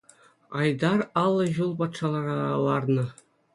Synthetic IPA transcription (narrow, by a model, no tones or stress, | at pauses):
ɑjd̪ɑrɑlˠːɤ̆ʑulˠpɑt̪ʂɑlˠɑrɑlˠɑrnɤ̆